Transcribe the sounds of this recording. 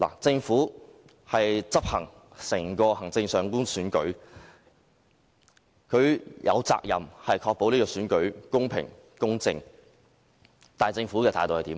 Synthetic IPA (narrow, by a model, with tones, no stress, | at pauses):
la̰ː˨˩t͡sɪ˧ŋfuː˨˥ | hɐ˨jt͡sɐ˥p̚hɐ˨˩ŋ | sɛː˨˩ŋkɔː˧hɐ˨˩ŋt͡sɪ˧ŋsœː˨˩ŋkuː˥nsyː˨˥nkɵ̰˨˥ɥ | kʰɵ˨˧ɥjʔɐ̰˨˧wt͡sa̰ː˧k̚jɐ̰˨˩mhɐ˨jkʰɔː˧k̚po˨˥wniː˥kɔː˧syː˨˥nkɵ˨˥ɥkʊ˥ŋpʰɪ̰˨˩ŋ | kʊ˥ŋt͡sɪ̰˧ŋ | t̪aː˨˩t͡sɪ˧ŋfu˨˥kɛ˧aː˨jt̪o˨whɐ˨˩t̪iː˨˥m